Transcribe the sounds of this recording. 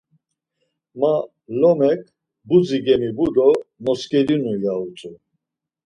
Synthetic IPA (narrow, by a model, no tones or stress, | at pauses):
ma | lɔmɛkʰʼ | bud͡ziɡɛmibud̪ɔmɔskʼɛɾinujaut͡sʼu